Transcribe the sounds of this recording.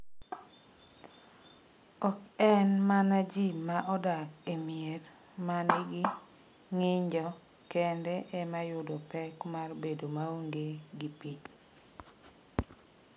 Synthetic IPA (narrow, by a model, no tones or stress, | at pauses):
ɔkɛnmanad͡ʒimaʔɔdakemier | maniɡɪ | ŋɪɲd͡ʒɔ | kɛndɛʔɛmajʊdɔpɛkmarbedomaoŋɡeɡipit͡ʃ